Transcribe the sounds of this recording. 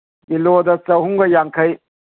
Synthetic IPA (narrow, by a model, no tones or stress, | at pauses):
ilodɐt͡ʃɐwhuŋɡɐjaŋkʰɐj